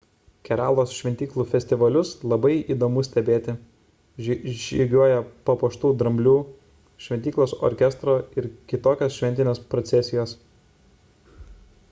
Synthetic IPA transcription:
kʲɛɾaːlˠoːsʃʲʋʲɛnt̪ʲiːklˠuːfʲɛsʲt̪ʲɪʋɐlʲʊslˠɐbɐɪiːd̪oːmʊsʲt̪ʲɛbʲeːt̪ʲɪ | ʒʲiɡʲuɔjɛpɐpoːʃt̪uːd̪ɾɐmʲbʲlʲuː | ʃʲʋʲɛnʲt̪ʲiːklˠoːsɔ̰ɾʲkʲɛst̪ɾoːɪɾkʲɪt̪oːkʲoːsʃʲʋʲɛnʲt̪ʲɪnʲeːspɾɔt̪sʲɛsʲɪjoːs

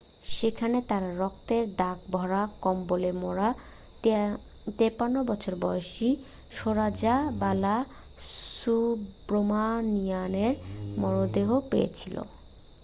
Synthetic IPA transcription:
ʃekʰanet̪aɾaɾɔk̚t̪eɾd̪ak̚bʱɔɾakɔmbolemɔɾa | t̪epanːobɔt͡ɕʰoɾbɔjoʃi | ʃoɾad͡ʑabala | subɾomanijaneɾmɔɾod̪eɦopejḛt͡ɕʰilo̰

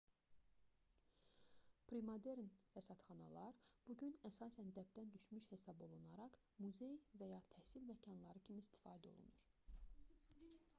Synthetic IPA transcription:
pʰɾimod̪eɾnhæsɑt̪χɑnɑ̰lˠɑɾb̥uɟynæsɑːsænd̪æb̚d̪ænd̪yʃmyʃhe̞sɑbo̞lˠunɑɾɑχ | muze̞jvæjɑt̪ʰæhsilmæcʰɑnlˠɑɾɯcʰimiist̪ʰi̥fɑːd̪æo̞̰lˠṵnuɾ

